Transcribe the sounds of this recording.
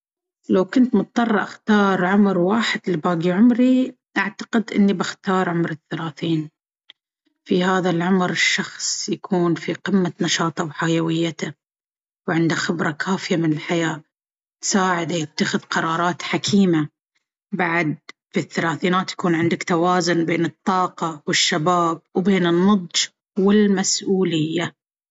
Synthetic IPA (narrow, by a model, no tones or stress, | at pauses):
lawkʊnt̪mʊt̪̚ˤːɑrˤːʔaxt̪ɑːɾˤʕʊmɾwaːħɪd̪libaːɡiʕʊmɾiʔaʕt̪ḁqɪd̪ʔɪ̰nːibɪxt̪ɑːɾˤʕʊmɾɪθːalaːθiːn | fihaːðalʕʊmɾɪʃːɑxsˤjakʰuːnfiqɪmːanɑʃɑːt̪ˤɑwħajawɪjːat̪a | wʕɪnd̪axɪbɾˤɑkʰaːfɪjamɪnɪlħajaː | saːʕɪd̪ajɪt̪ːaxɪðqɑɾˤɑːɾˤɑːt̪ħakʰiːma | baʕd̪̚ | fiθːalaːθiːnaːt̪jḁkuːnʕɪnd̪akt̪awaːzʊnbeːnɨt̪ˤːɑːqɑwɪʃːabaːb̚wbeːnɪnːɑd̪ˤd͡ʒ | wɪlmasʔuːlɪjːa